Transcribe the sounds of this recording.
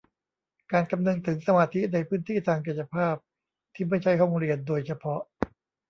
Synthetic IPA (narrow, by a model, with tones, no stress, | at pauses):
kaː˧nka˧mnɤ˧ŋt̪ʰɯ˩˦ŋsa˧maː˧t̪ʰi˦˥na˧jpʰɯː˦˥nt̪ʰiː˥˩t̪ʰaː˧ŋk̬i˨˩t͡ɕa˧pʰaː˥˩p̚ | t̪ʰiː˥˩ma˥˩jt͡ɕʰa˥˩jɦɔ˥˩ŋɾi˧əndoː˧jt͡ɕʰa˧pʰɔ˦˥ʔ